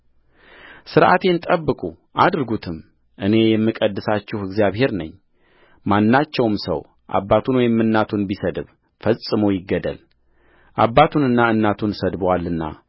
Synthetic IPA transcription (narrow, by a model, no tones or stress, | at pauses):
sɨɾʔa̰t̪ʰe̞nt̪ʼəbːɨkʼu | ʔa̰d̪ɾɨɡut̪ʰɨm | ʔɨne̞jɛmːɨkʼəd̪ːɨsat͡ʃːɪhɨɡzijaβhe̞ɾnəɲː | manːat͡ʃːɛwmsə̰w | ʔa̰bːat̪ʰunwɔjɛmːɨnːat̪ʰunbisəd̪ɨβ | fəsʼɨməwjɪɡːəd̪ə̰l | ʔabːat̪ʰunɨnːaɨnːat̪ʰunsəd̪bwalːɨnːa̰